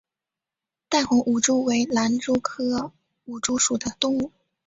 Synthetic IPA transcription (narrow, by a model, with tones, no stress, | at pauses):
t̪a˥˩nxʊ˧˥ŋʔu˨˩ʈ͡ʂu˥˩we˧˥ɪla˧˥nʈ͡ʂu˥kʰɤ˥ | u˨˩ʈ͡ʂu˥ʂu˨˩d̪ə˦t̪ʊ˥˧ŋu˥˩